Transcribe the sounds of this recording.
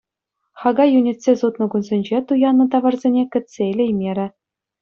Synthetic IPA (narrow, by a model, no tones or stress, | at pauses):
χɑɡɑjunʲitʲsʲezut̪nɤ̆ɡunzʲenʲd͡ʑet̪ujɑnːɤ̆t̪ɑʋɑ̆rzʲenʲekʲɘ̆t̪ʲsʲeelʲejmʲeɾʲɘ̆